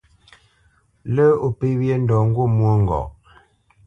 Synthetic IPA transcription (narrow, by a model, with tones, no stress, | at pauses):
lə˦o˨pe˦wje˦n̩˦dɔ˨ŋ˦ɡwo˦mwo˦ŋ˨ɡɔ̰˨ʔ